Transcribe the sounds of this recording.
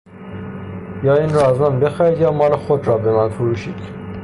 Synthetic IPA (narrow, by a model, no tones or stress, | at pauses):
jɑːinɾɒːznɑnbexæid̪jɑːmɒːlexod̪ɾɒːbemænfuɾuːʃiːd̪̥